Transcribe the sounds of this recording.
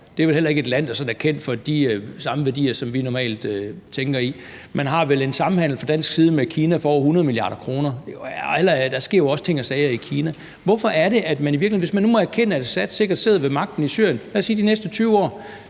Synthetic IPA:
d̥e̝æʋe̝lhel̰ɐe̝ɡ̥e̝d̥læn̰d̥ɑsɒ̽næɐkʰen̰d̥fɒ̽d̥isɑ̈məʋæɐd̥ḭːɐsɒ̽mʋinɒmɛ̰ːld̥øt͡sʰeŋɡ̥ɐi | mʔænɦɑ̈ʋele̝nsɑ̈m̩hæn̰l̩fɒd̥æn̰sɡ̥siːð̞ˠəmekʰiːnæfɒːhunɐð̞̩ˠmiliɑ̰̈ːɾ̥ɐkʰʁo̝ːnɐhel̰ɐd̥ɑsɡ̥e̝ɐ̰joɒ̽sə̥t͡sʰe̝ŋ̰ɒsɛɪɐikʰiːnæ | ʋɒ̽fɒ̽ʔæɐɾe̝ʔæd̥mæniʋiɐɡ̥lieʋe̝smænːumɒ̽æɐkʰen̰əæd̥sæd̥se̝ɡ̥ɐd̥se̝ðˠɐʋe̝mɑ̈ɡ̥̚d̥n̩isy̰ɐjənlæsiːdinesd̥ət͡sʰyːʊɒ̰ː

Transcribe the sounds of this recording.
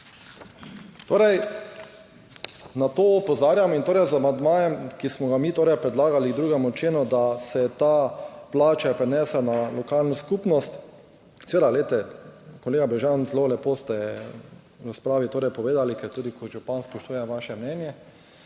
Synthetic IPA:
t̪oːɾɛj | nat̪oːɔpɔzaːɾjamint̪oːɾɛjzamand̪maːjɛmkismɔɡamiːt̪oːɾɛjpɾɛd̪laːɡaliɡd̪ɾuːɡɛmɔt͡ʃeːnɔd̪asɛt̪aplaːt͡ʃapɾɛnɛːsɛnalɔkalnɔskuːpnɔst̪ | seʋeːd̪aɡlet̪ɛkoleːɡabɛʒanzlolɛpoːst̪ɛ | ɾaspɾaːʋit̪oːɾɛjpɔʋeːd̪alikɛɾt̪uːd̪ikɔʒupanspɔʃt̪uːjɛʋaʃɛmnɛːnjɛ

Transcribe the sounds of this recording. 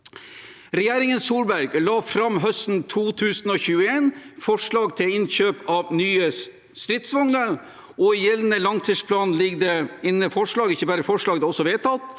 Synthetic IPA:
ɾɛjeːɾɪŋənsuːlbæɾɡlɑːfɾɑmɦœst̪n̩t̪ʰuːt̪ʰʉːsnɔːçʉːəeːnfɔʂɭɑːɡt̪ʰɪlɪnçøːpɑʋnyːə | st̪ɾɪt̪sʋɑŋləɾ | ɔɪjɛlnəlɑŋt̪ʰiːspʰlɑːnn̩lɪɡd̪ɛɪnːəfɔʂɭɑːɡɪçːəbæːɾəfɔʂɭɑːɡd̪ɛɔsɔʋeːt̪ʰɑt̪

